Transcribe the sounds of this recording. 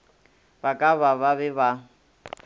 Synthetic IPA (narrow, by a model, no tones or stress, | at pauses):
bakʼaβaβaβɛβa